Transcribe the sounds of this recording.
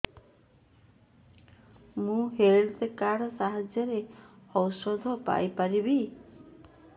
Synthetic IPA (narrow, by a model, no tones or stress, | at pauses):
mũɦelt̪ekaɽɔsaɦad͡ʒjɔɾehɔwsɔd̪ʱɔpa̰jpaɾibi